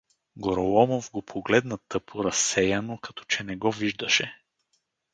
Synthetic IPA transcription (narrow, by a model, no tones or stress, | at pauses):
ɡoɾolˠɔmovɡopʰoɡlɛd̪nɐt̪ɤpʰoɾɐsːɛjɐnokɐt̪ɔ̥t͡ʃɛnɛɡɔviʒd̪ɐʃɛ